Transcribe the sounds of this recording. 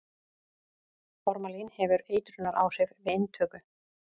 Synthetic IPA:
fɔɾmalinhɛvʏɾeːjt̪ɾʏnaɾʔa̰ːwsɛvvɪɪnːt̪ʰœːkʏ

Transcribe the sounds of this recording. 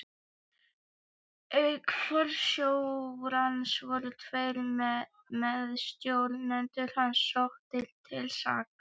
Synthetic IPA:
œkʰfœɾsjowɾansvɔɾʏt̪ʰvejl | mɛðst̪jowlnɛnt̪ʏɾ̥hansɔxt̪ʰːɪlt̪ʰɪlsa̰ːk

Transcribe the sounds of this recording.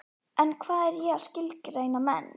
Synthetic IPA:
ɛnkʰvaːðɛɾjɛɣaðscɪlcrejnamɛ̰n

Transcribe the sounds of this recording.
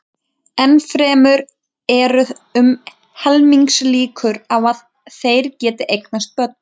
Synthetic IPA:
ɛnfɾɛːmʏɾ | ɛɾʏʏm | hɛlmiŋksliːkʰʏɾavað | θejɾcɛːt̪ɪʔejknast̪̚pœt̪̚n̥

